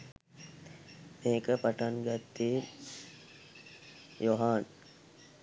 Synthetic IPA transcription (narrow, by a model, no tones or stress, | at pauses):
meːkəpaʈaŋɡat̪ːiː | joɦaːn